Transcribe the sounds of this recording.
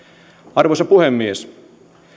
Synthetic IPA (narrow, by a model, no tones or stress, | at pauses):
ɑrʋosɑpuhemːies